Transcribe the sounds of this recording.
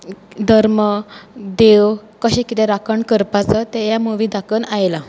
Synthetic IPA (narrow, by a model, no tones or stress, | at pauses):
d̪ʱəɾməd̪eʋkəɕẽkit̪ɛ̃ɾakəɳkəɾpat͡sət̪ɛjamuʋĩd̪ʱakənajla